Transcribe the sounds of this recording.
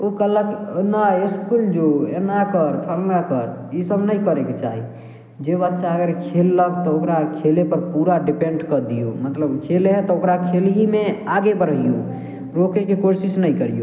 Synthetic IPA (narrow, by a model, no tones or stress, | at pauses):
okələknaɪskuld͡ʒoenakəɾt̪ʰəlɡakəɾisəbnəĩkəɾeket͡ʃa̰ːɦi | d͡ʒebət̪ːʃaəɡəɾkʰelːəkt̪ɔokɾakʰelepəɾpuɾaɖipẽɳɖkəd̪ijomət̪ləbkʰelɦɛ̃t̪ɔokɾakʰelɦimeaɡebəɾijo | ɾokekekoɾsisnəĩkəɾijo